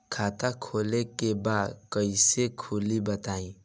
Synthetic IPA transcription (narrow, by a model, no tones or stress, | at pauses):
kʰat̪akʰolekebad̪kəisekʰulibət̪aĩ